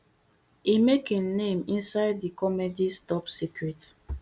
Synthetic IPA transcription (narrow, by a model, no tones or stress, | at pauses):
imekĩnːẽmĩnsaɪddikɔmedistɔpsikɹɛt